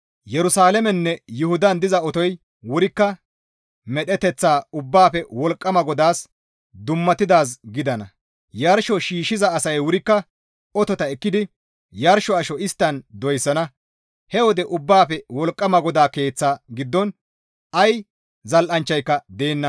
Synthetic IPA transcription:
jɛɾʊsaːlɛmɛnːɛjʊhʊd̪ɐnd̪ɪzɐɔt̪ɔj | wʊɾɪkːɐ | mɛɗɛt̪ɛt͡sːaːʊbːaːpɛwɔlkʼːɐmɐɡɔd̪aːs | d̪ʊmːɐt̪ːɪd̪aːs̬ɡɪd̪ɐnɐ | jɐɾʃɔʃiːʃːɪzɐːsɐjwʊɾɪkːɐ | ʔɔt̪ɔt̪ɐɛkːɪd̪ɪ | jɐɾʃɔɐʃɔɪst̪ːɐnd̪ɔjsːɐnɐ | hɛwɔd̪ɛʔʊbːaːpɛwɔlkʼːɐmɐɡɔd̪aːke̞ːt͡sːaːɡɪd̪ːɔn | ɐj | zɐlʔɐnt͡ʃːɐjkːɐd̪e̞ːnːɐ

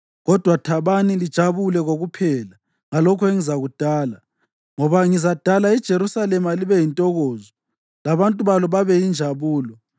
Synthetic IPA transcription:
ɣɔd̥ʱwatʰaβanilid̥ʒ̥ʱaβulɛɣoɣupʰɛːla | ŋalɔkʰɔeŋizaɣud̥ʱaːla | ŋɔβaŋizad̥ʱalaid̥ʒ̥ʱeɾusalɛmaliβɛjintʼɔɣɔːzɔ | laβantʼuβalɔβaβɛjind͡ʒʱaβuːlɔ

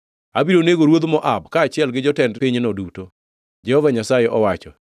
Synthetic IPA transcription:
abiɾoneɡoɾwod̪mɔʔabkaːt͡ʃɪɛlɡɪd͡ʒɔtɛndpiɲnɔduto | d͡ʒɛhɔvaɲasajeʔɔwat͡ʃɔ

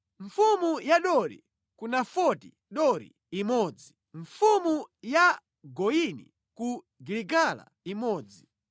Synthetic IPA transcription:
ɱfumujaɗɔɾḭ | kunafɔtḭ | ɗɔɾḭ | imɔd͡zi | ɱfumuja | ɡɔinḭ | ku | ɡiliɡala̰ | imɔːd͡zi

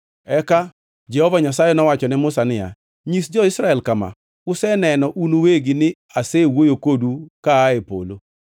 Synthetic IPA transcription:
ɛka | d͡ʒɛhɔvaɲasajɛnɔwat͡ʃɔnɪmʊsanɪja̰ | ɲisd͡ʒɔɪsɾaɛlkama̰ | ʊsɛnɛnɔʔunoweɡɪnɪ | asewojokodukaːepo̰lo

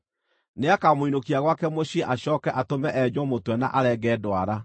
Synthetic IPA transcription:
neakamoinokiaɣwakɛmoɕeʔaɕɔːkɛʔatomɛʔɛd͡ʑɔmotwɛna̰ʔaɾɛɡɛːdoaɾa

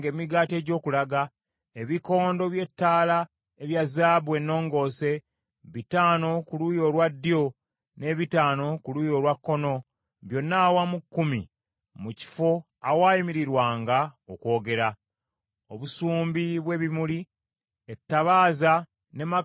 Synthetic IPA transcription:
ɡe̞ːmiɡaːte̞ːɟo̞ːkulaɡa | e̞βiko̞ːndo̞βje̞tːaːla | eβjazaːbwe̞nːo̞ːŋɡo̞ːse̞ | βitaːno̞kulujo̞lwadːjo̞ | ne̞βitaːno̞kulujo̞ɾwakːo̞no̞ | βjo̞nːawamukːumi | muci̥fo̞ | awaːjimiɾiɾwaːŋɡaoko̞ːɡe̞ɾa | oβusuːmbiβwe̞βimuli | etːaβaːza | ne̞ma

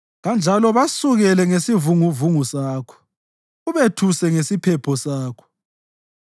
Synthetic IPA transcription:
ɣand͡ʒʱalɔβasuɣɛlɛŋesivuŋuvuŋusaːkʰɔ̥ | uβetʰusɛŋesipʰɛpʰɔsaːkʰɔ̥

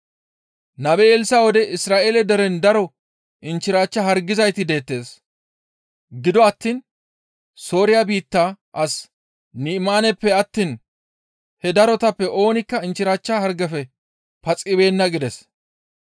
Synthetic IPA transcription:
nɐbeːlsawɔd̪ɛʔɪsɾaːʔeːlɛd̪ɛɾɛnd̪ɐɾɔ | ʔɪnt͡ʃːɪɾaːt͡ʃːɐɦɐɾɡɪzɐjt̪ɪd̪e̞ːt̪ːe̞ːs | ɡɪd̪ɔɐt̪ːiːn | so̞ːɾɪjabiːt̪ːaː | ʔɐs | nimaːnɛpːɛɐt̪ːiːn | hɛd̪ɐɾɔt̪ɐpːɛʔo̞ːnɪkːɐɪnt͡ʃːɪɾaːt͡ʃːahɐɾɡɐfɛ | pɐt͡sʼːɪbe̞ːnːɐɡɪd̪ɛs

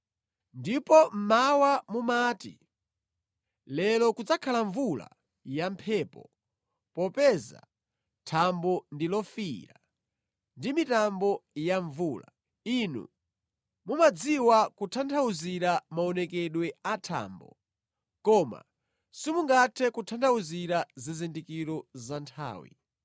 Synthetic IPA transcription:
ndipɔm̩mawamumaːtḭ | lɛlɔkud͡zakʰalaɱvula̰ | jampʰɛːpɔ | pɔpɛza̰ | tʰambɔndilɔfiɾa | ndimitambɔjaɱvuːla̰ | inṵ | mumad͡ziwakutʰantʰauziɾamaɔnɛkɛɗwɛatʰa̰ːmbɔ̰ | kɔma̰ | simuŋɡatʰɛkutʰantʰauziɾazizindikiɾɔzantʰa̰ːwḭ

